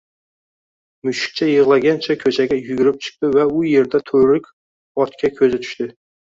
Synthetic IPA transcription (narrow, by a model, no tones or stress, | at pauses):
myʃɪ̥k̚ʲt͡ʃʰɛjəʁlˠɑɡʲɛnt͡ʃʰɛkʲʰøt͡ʃʰɛɡʲɛjyɡʲyɾɪp̚t͡ʃʰɨ̥q̚t̪ɪvɛʊjeɾd̪ɛt̪ʰøɾɪkʲ | ɒt̪kʲʰɛkʲʰøzɪt̪ʰy̥ʃt̪ɪ